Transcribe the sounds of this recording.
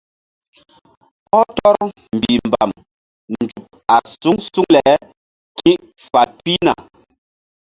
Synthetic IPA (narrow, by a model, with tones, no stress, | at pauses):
ɔ˦tɔ˦ɾm̩˨bii˨m˨ba̰˨m | n˨d͡ʒu˨p̚a˨su˦ŋsu˦ŋlɛ˨˦ | ki˦ʔ | fa˨t̚pi˦na̰˨